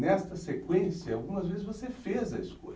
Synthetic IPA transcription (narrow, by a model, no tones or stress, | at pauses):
nɛst̪ɐsekwẽsijɐawɡũmɐzvezɪzvosefezɐisko̰